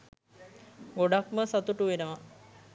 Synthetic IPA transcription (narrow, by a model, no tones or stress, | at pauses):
ɡoɖakməsat̪uʈuʋenəʋa